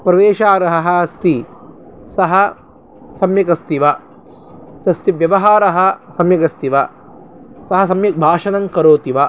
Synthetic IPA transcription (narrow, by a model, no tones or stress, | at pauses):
pɾɐʋeːʃaːɾɐɦɐɦɐ̆ɐst̪i | sɐɦɐ | sɐmjɐkɐst̪iʋɐ | t̪ɐst̪iʋjɐʋɐɦaːɾɐɦɐ̆sɐmjɐkɐst̪iʋɐ | sɐɦɐsɐmjɐk̚bʱaːʂɐnɐŋkɐɾoːt̪iʋɐ